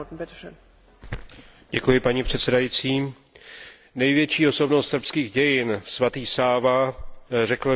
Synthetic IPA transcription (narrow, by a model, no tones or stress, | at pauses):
t̪n̩bɪt̪ɛʃɛn | ɟɛkujɪpaɲipr̝̥ɛt̪sɛdajit͡siː | nɛjvjɛt͡ʃiːo̞so̞bnost̪sr̩pskiːɣɟɛjɪnsvat̪iːxsaːvarɛkl̩